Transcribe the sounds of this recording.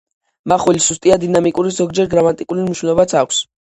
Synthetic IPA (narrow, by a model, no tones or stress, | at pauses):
maχulisust̪ʼiad̪inamikʼuɾizɔɡ̚d͡ʒɛɾɡɾamat̪ʼikʼuliniʃwɛnɔbat̪sʰakʰʷs